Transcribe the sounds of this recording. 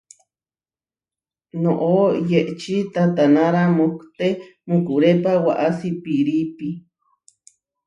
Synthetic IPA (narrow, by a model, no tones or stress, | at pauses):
noʔojeʔt͡ʃit̪at̪anaɾamukt̪emukuɾepawaʔasipiɾipi